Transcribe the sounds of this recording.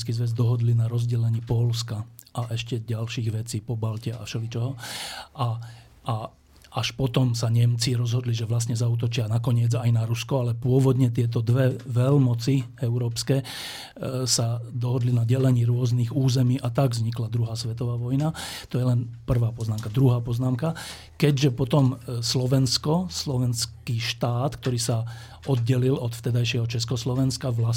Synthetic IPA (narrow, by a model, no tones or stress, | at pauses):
skiːzʋɛzd̪ɔɦɔd̪linaɾɔzɟɛlɛɲiːpɔlska | ʔaʔɛʃcɛɟalʃiːɣʋɛt͡siːpɔbalcɛa̰fʃɛlit͡ʃɔɦɔa | ʔa | ʔaʃpɔt̪ɔmsaɲɛmt͡siɾɔzɦɔd̪liʒɛʋlasɲɛzauːt̪ɔt͡ʃɪanakɔɲɪɛd͡zajnaɾuskɔalɛpʊɔʋɔd̪ɲɛt̪̬ɪɛt̪̬ɔd̪ʋɛʋɛlmɔt͡si | ɛʊɾɔːpskɛː | sad̪ɔɦɔd̪linaɟɛlɛɲiːɾʊɔzniɣuːzɛmiːʔat̪aɡzɲiklad̪ɾuɦaːsʋɛt̪ɔʋaːʋɔjnat̪ɔjɛlɛnpr̩ʋaːpɔznaːmkad̪ɾuɦaːpɔznaːmka | kɛɟʒɛpɔt̪ɔmslɔʋɛnskɔslɔʋɛnskiʃt̪aːt̪k̚t̪ɔɾiːsa | ɔd̪̚ɟɛlilɔt̪ft̪ɛd̪ajʃɪɛɦɔt͡ʃɛskɔslɔʋɛnskaʋla